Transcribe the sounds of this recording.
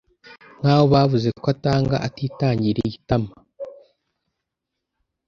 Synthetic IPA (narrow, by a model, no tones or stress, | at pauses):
ŋ̥aːβoβaːvuzekwataːŋɡa̰ʔatiːtaːɲɟiɾeɟitama